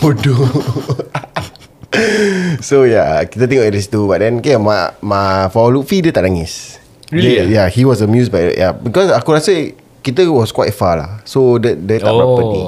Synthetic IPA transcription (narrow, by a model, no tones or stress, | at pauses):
odu | sojakit̪ət̪̬ĩŋdist̪ubaʔ̚dɛ̃nkemamafalufidət̪aʔnaŋis | dəjahiwɔsəmjusbajdɛ̰ʔjʔabikɔsakuɾasə | kit̪̬əwɔskwajtfala̰hsodədət̪aʔpɔpəi